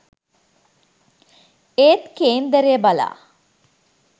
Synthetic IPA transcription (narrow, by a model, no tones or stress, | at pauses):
eːt̪keːnd̪æɾeəbala̰ː